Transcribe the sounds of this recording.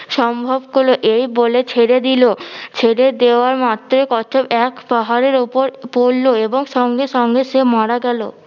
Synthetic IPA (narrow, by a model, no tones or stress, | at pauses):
ʃɔmbʱobkoloʔejbolet͡ɕʰeɽed̪ilot͡ɕʰeɽed̪eoaɾmat̪ːɾekɔtʰobɛkpaɦaɾeɾupoɾpolːoeboŋʃɔŋɡeʃɔŋɡeʃemaɽaɡɛlo̰